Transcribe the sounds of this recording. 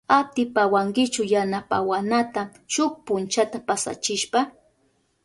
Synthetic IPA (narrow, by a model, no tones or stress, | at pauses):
at̪ɪpawaŋkɪt͡ʃʊjanapa̰wanat̪at͡ʃʊk̚pʊnt͡ʃat̪apasa̰t͡ʃɪʃpa